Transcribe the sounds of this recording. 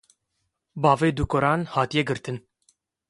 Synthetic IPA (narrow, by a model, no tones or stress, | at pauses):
bɑːveːd̪ukɔɾɑːnhɑːt̪ijɛɡɨɾt̪ɨn